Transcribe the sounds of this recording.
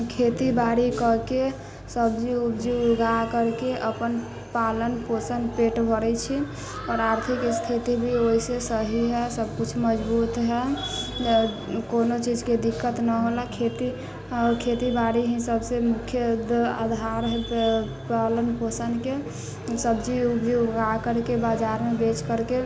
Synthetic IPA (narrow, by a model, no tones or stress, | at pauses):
kʰet̪ibaɽikəke | səbd͡ʒiud͡ʒiuɡakəɾkeʔəpən | palənposənpeʈbʱɔɾɛt͡ʃʰi | ɔːɾaɾt̪ʰikst̪ʰit̪ibʱioisesəɦiɦɛsəb̚kut͡ʃʰməd͡ʒbut̪ɦɛ | konot͡ʃid͡ʒked̪ikːət̪nəɦolakʰet̪i | kʰet̪ibaɽiɦĩsəbsemukʰjəd̪a̰d̪ʱaɾɦɛ | palənposənke | səbd͡ʒiubʱiubɡakəɾkebad͡ʒaɾmebet͡ʃkəɾke